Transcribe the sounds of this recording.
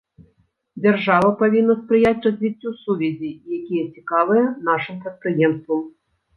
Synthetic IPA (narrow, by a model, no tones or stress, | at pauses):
d͡zʲarʐavɐpavʲinːɐspɾɨjat͡sʲrɐzʲvʲit͡sʲːusuvʲɛzʲijakʲijɛt͡sʲikavɨjɛnaʂɨmpɾɛt̪̚pɾɨjɛmst̪vɐm